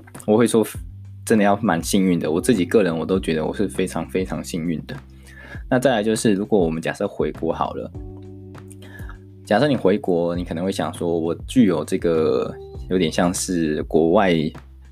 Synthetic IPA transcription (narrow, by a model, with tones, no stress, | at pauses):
wɔ˨˩xwe˥˩ɪʂwɔ˦˥ | ʈ͡ʂə˥nd̪ə˨jɑ˥˩ʊma˧˦nɕi˥˧ŋy˥˩nd̪ə˩wɔ˨˩t͡sɹ̩˥˩t͡ɕi˨˩kɤ˥˩ɻə˧˥nwɔ˨˩t̪o˥ʊt͡ɕɥɛ˧˥d̪ə˧wɔ̰˨˩ʂɻ̩˥˩fe˥ɪʈ͡ʂʰɑ˧˥ŋfe˥ɪʈ͡ʂʰɑ˧˥ŋɕi˥˧ŋy˥˩nd̪ə˩ | na˥˧t͡sa˥˩ɪla˧ɪt͡ɕjo˥˧ʊʂɻ̩˥˩ɻu˧˥kwɔ˧˥wɔ˨˩mə˦nt͡ɕja̰˨˩ʂɤ˥˩xwe˧˥ɪkwɔ˧˥xɑ̰˨˩ʊlə̰˦ | t͡ɕja˨˩ʂɤ˥˩ni˨˩xwe˧˥ɪkwɔ˧˥ni˨˥k̪ʰŋxwe˥˩ɕjɑ̰˨˩ŋʂwɔ˥wɔ˨˩t͡ɕy˥˩jo˨˩ʊʈ͡ʂɤ˥˩ɡə˩jo˧˥t̪jɛ˨˩nɕjɑ˥˧ŋʂɻ̩˥˩kwɔ˧˥wa˥˧ɪ